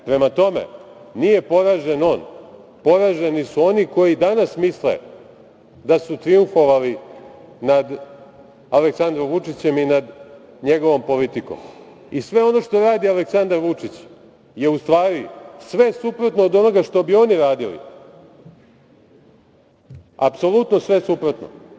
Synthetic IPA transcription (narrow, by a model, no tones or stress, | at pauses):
pɾe̞mat̪o̞mḛnije̞po̞ɾaʒeno̞ːn | po̞ɾaʒenisuo̞niko̞jid̪anasmislḛ | d̪asut̪ɾiuɱfo̞ʋalinad̪ | aleksand̪ɾomʋut͡ʂit͡ɕe̞minad̪ | ɲe̞ɡo̞ʋo̞mpo̞lit̪iko̰m | isʋe̞o̞no̞ʂt̪o̞ɾaːd̪ialeksand̪aɾʋut͡ʂit͡ɕ | je̞ust̪ʋaːɾisʋe̞supɾot̪noːd̪o̞no̞ɡaʂt̪o̞bio̞niɾaːd̪ilḭ | apso̞lˠut̪nosʋe̞supɾo̞t̪no̰